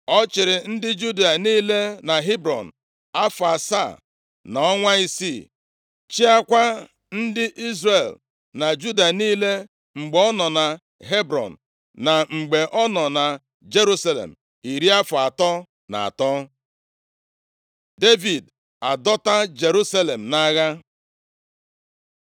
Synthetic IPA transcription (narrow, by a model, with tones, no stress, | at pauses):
ɔ˦t͡ʃɪ˨ɾɪ˨n̩˦dɪ˦d͡ʒu˦di˦˨a˨niː˦le˦na˨ɦi˦bɾɔ̰˨n̩˨ | a˦fʊ˨a˨sa̰˦˨ | na˨ɔ˦ŋʷa˦i˦si˦˨ | t͡ʃi˦a˦kʷa˦ | n̩˦dɪ˦ʔi˦zre˨l | na˨d͡ʒu˦da˨niː˦le˦ | ŋ͡m̩˨ɡ͡bɔ˦nɔ˨na˨ | ɦe˦bɾɔ̰˨n̩˨ | na˨ŋ͡m̩˨ɡ͡be˨ʔɔ˦nɔ˨na˨ | d͡ʒe˦ɾu˦sa˦lḛ˨m̩˨ | i˨ɾi˦a˦fʊ˨a˨tɔ˦ | na̰˨a̰˨tɔ˦ | de˦vi˨d | a˨dɔ˦ta˦d͡ʒe˨ɾu˦sa˦le˨m̩˨na˦ɣa˦